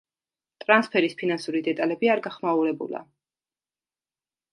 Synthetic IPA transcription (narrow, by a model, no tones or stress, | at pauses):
t̪ʼɾanspʰɛɾispʰinansuɾid̪ɛt̪ʼalɛbiaɾɡaχmauɾɛbṵla̰